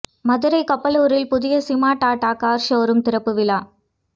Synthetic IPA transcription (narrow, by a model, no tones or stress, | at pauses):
mɐðɪɾɐɪkɐpːɐloːɾɪlpʊðɪjɐsɪmaːʈaːʈaːkaːɾʃoːɾɯmt̪ɪɾɐpːɯʋɪlaː